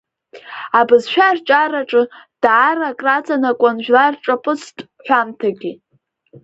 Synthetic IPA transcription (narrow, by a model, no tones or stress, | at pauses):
abɨzʃᶣart͡ʃʼaraʈ͡ʂʼɨd̥aːrakʼrat͡sʼanakʷʼanʒᶣlarʈ͡ʂʼapʼɨt͡sʰtʼ | ʃʷᶣamtʰaɡʲi